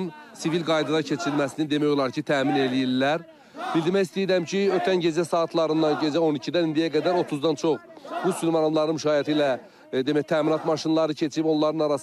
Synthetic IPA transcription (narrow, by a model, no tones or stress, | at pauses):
nsivilɡɑjd̪ɑd̪ɑcʰe̞t͡ʃʰiilmæsinind̪e̞mæjo̞lˠɑɾcʰit̪ʰæːmine̞lijilːæɾ | b̥ild̪iɾmæjist̪ijɾæmcʰiøt̪ʰænɟe̞d͡ʒæsɑːt̪ʰlˠɑɾɯnd̪ɑnɟe̞d͡ʒæo̞nicʰid̪ænind̪ijæɡæd̪æɾo̞t̪ʰuzd̪ɑnt͡ʃʰo̞χb̥usylmɑɾɑmlˠɑɾɯnmʃɑːjɑt̪ʰiilæ | d̪e̞mæçt̪ʰæːminɑt̪mɑʃinlˠɑɾɯcʰe̞t͡ʃʰiipo̞nlˠɑɾɯnɑɾɑs